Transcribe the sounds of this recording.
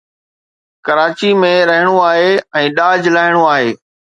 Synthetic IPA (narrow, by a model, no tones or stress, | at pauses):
kɐɾaːt͡ɕimẽɾɐɦɪɽ̃oaːɦeɛ̃ːɗaːd͡ʑlaːɦɪɽ̃oaːɦeː